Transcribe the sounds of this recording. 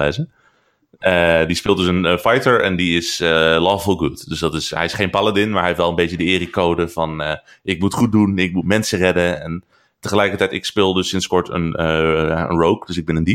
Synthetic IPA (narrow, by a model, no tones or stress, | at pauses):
ɛzə | ədispɪːlˠtdəsənfajtəɹɛ̰ndiɪsəlɔːffɔlˠɡutdøsdɑtɪsɦɛ̰jɪsχejnpalˠadɪnmaːɹɦɛjɪftʋɛlˠənbejtədəɪːrikowdəv̥ɑn | ʔɪkmutχut̚dunɪk̚mutmɛnsərɛdəɛn | təχəlɛjkəɹtɛjtɪkspɪːlˠdəsɪnskɔɹtə̰naə̰nrowkdɵsɪɡ̚bɪnəndip